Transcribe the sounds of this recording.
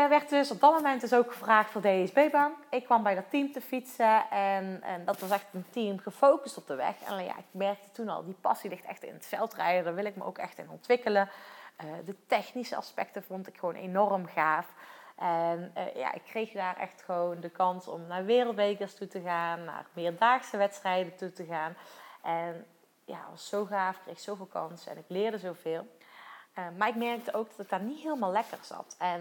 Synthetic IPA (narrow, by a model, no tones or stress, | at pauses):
ʋɛrtdɵsɔb̚dɑt̚momɛntɪsowkxəvraːxtfʊːɹdeɛzbejbɑnɪkːʋɑmbɛjdɑtimtəfitsəɛndɑtʋɑsɛxtəntimɣəfowkəstɔb̚dəʋɛ̰xɛ̰nja̰ʔɪkmɛrk̚tə̥tunɑ̰lˠdipɑ̰silɪxtɛ̰xtɪ̰nətfɛlˠtrɛjdədaːɹʋɪlɪk̚mə̰ʔo̰wkɛxtɪ̰nɔ̰ntʋɪkələədətɛxnisə̰ʔɑ̰spɛ̰k̚təvɔntɪkxəʋownʔḛnɔrəmɣaːfʔɛn̰ja̰ʔɪ̰kːrejxdaːrɛ̰xtxəʋowndəkɑnsɔ̰mnaːɹʋɪːrəlˠtʋejkəstutəɣaːnːa̰ːrmɪːɹdaːxsəʋɛtstrɛjdətutəɣaːnʔɛn | ja̰ːʋɑsːowɣaːfkrejxsowvɪːlˠkɑ̰nsɛ̰nɪklɪːɹdəzowvɪːlˠ | əmaːɹɪkmɛrk̚təʔowɡ̚dɑtɪɡ̚daːɹnitɦɪːləmaːlɛkərz̥ɑ̰tɛn